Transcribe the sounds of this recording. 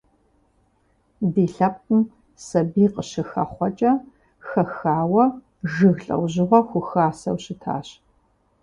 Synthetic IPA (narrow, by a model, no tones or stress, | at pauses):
diːɬɐp̚ʼɨm | sɐbiːqəɕɪxɐ̰χʷɔt͡ʃʼɐ | xɐxaːwɐ | ʒɨɣɬʼɐ̰wʑɪʁʷɔxʷʊxaːsɐ̰wɕɪtʰa̰ːɕ